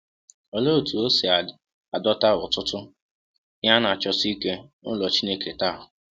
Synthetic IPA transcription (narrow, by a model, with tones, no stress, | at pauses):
ɔ˨lo˦˨tu˨o˦si˨a˨ | a˨dɔ˦ta˦ɦʊ˨tʊ˦tʊ˦ | ja˦na˨t͡ʃɔ˦si˦ke˦nʊ̰˦lɔ˨t͡ʃi˦ne˦ke˨ta˦˨ɦʊ˨